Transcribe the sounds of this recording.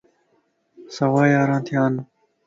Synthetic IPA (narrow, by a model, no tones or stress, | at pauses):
sɐwaːjaːɾãːt̪ʰijaːn